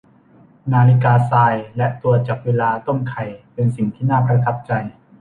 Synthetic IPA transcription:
naː˧li˦˥kaː˧saː˧jlɛ˦˥ʔt̪u˨˧˩ət̪̚t͡ɕaː˨˩k̚weː˧laː˧t̪o˥˩mkʰa˨˩jpe˧nsi˨˩ŋt̪ʰiː˥˩naː˥˩pɾa˧t̪ʰa˦˥p̚t͡ɕa˧j

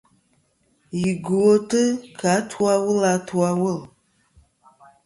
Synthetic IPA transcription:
ji˨ɡu˨o˦tɨ˦kʰa˨˦tʰu˦a˦wʊ˦la˨twa˦wʊ˦˨l

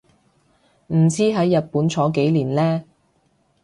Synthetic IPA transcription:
m̩˨˩t͡sʰiː˥ɦɐ˨˥jːɐ˨t̚puː˨˥nt͡sʰɔː˨˥ke˨˥jliː˨˩nlɛː˥

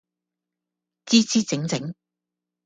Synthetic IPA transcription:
t͡siː˥t͡siː˥t͡sɪ˨˥ŋt͡sɪ˨˥ŋ

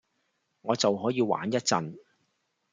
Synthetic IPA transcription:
ŋɔː˨˧t͡sɐ˨wɦɔː˨˥jiː˧wa̰ː˨˥njɐ˥t̚t͡sɐ˨n

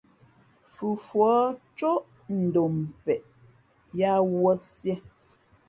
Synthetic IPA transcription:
fʉ˨fwɔ˨˦t͡ʃo˦ʔ | n̩˨do˨m˨pɛ˨ʔ | ja˦wwɔ˦sjɛ˦

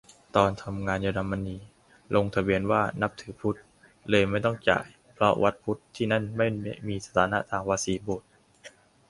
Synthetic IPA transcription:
t̪ɔː˧nt̪ʰa˧mŋaː˧nja˧da˧mːa˧niː˧ | lo˧ŋt̪ʰa˧bi˧ənwaː˥˩na˦˥p̚t̪ʰɯː˨˩˦pʰu˦˥t̪̚ | lɤː˧jma˥˩jt̪ɔ˥˩ŋt͡ɕa̰ː˨˩j | pʰɾɔ˦˥wʔa˦˥t̪̚pʰu˦˥t̪ʰːiː˥˩na˥˩nma˥˩jmiː˧sa˧t̪ʰaː˩˦na̰˦˥t̪ʰaː˧ŋwaː˧siː˨˦boː˨˩t̪̚

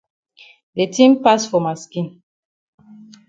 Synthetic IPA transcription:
de˨tʰĩ˦mpa˦sfɔ˨ma˨skĩ˨n

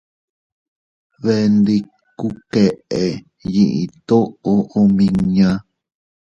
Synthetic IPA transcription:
βe˧nd̪i˧ | ku˦ke˨ʔe˨ | ji˨ʔi˨t̪o˦o˦ʔo˧mĩ˧ɲã˦

